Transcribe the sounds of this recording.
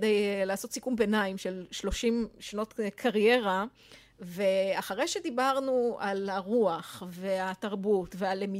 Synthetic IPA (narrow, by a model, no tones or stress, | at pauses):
dejlaːso̞t̪sikumbenaimʃelʃlo̞ʃimʃano̞t̪kʰaʁje̞ʁa | ve̞aχaʁejʃed̪ibaʁnualhaʁuaχve̞ataʁbutvealemi